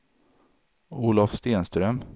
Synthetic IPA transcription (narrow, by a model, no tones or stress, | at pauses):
uːlafst̪eːnst̪ɾœm